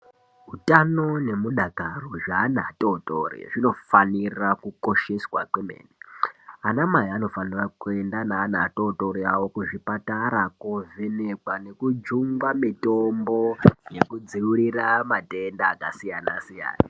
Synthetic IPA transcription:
ɦutano̞ne̞muɗakaroʐaːnatotorḭʐino̞fanirakuko̞ʃe̞swakwemḛːnianamajiano̞fanirakue̞ndanaːna̰totoɾiawo̞kuʐipataɾakovenekwane̞kud͡ʒuŋɡamitombo̞je̞kud͡ziuɾiramatendaːkasijanasija̰ːna

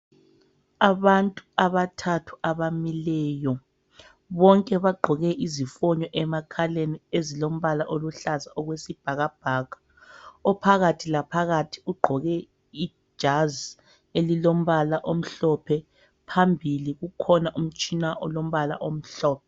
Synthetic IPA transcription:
aβantʼuaβatʰatʰu̥aβamilɛːjɔ | βɔŋkʼɛβaɡ͡ǃʱɔɣɛʔizifɔɲɔʔɛmakʰaleniezilom̩βalaʔoluɬazaɔɣwesib̥ʱaɣab̥ʱaɣḁ | ɔpʰaɣatʰilapʰaɣatʰi̥uɡ͡ǃʱɔɣɛ | i̥ | ʒ̥ʱaz | elilom̩βalaʔom̩ɬɔpʰɛ | pʰambʱiliɣukʰɔnaʔum̩t͡ʃʼinaʔɔlom̩βala̰ʔom̩ɬɔːp̚ʰɛ

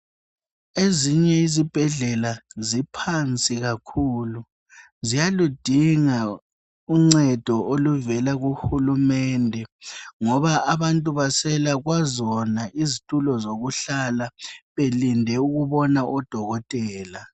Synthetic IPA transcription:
eziɲɛizib̥ʱɛɮɛlazipʰant͡sʼiɣakʰuːlu | zijalud̥ʱiŋa | uŋ͡ǀɛd̥ʱɔʔoluvɛlaɣuxulumɛndʱɛŋɔβaaβantʼuβasɛlaɣwazɔnaʔizitʼulɔzoɣuɬalaβelindʱɛuɣuβɔnaʔɔd̥ʱɔɣɔtʼɛːla

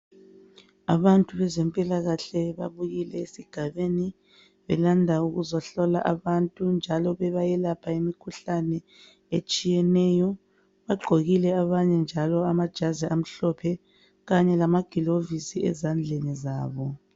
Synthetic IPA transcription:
a̰βantʼuβɛzɛmpʼilaɣaɬɛβa̰βuɣilɛesiɡ̥ʱaβeni | βɛ̰landʱauɣuzaɬɔla̰ʔaβantʼund͡ʒʱalɔβɛβajɛlapʰaimikʰuɬanɛ | et͡ʃʼijɛnɛːjɔ | βaɡ͡ǃʱoɣilɛaβaɲɛnd͡ʒʱalɔamad̥ʒ̥ʱaziʔam̩ɬɔpʰɛ | ɣaɲɛlamaɡ̥ʱilovisiɛ̰zand͡ɮʱenizaːβɔ

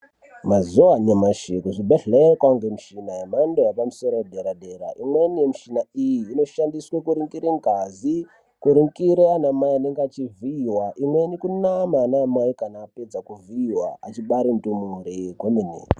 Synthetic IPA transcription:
mazuwaɲamaʃikuʐibeɬlerekwaŋɡemuʃinajemandojapamusoɾowdʱeɾadeɾa̰ʔimwenijemiʃinaijiːno̞ʃandiswakuɾiŋkiɾeŋɡʱazi | kuɾiŋkiɾeanamajianeŋɡeat͡ʃiviːwaʔimwenikunamanamwajikanaːped͡zakuviːwa̰at͡ʃiɓaɾintumuɾikwomenḛː

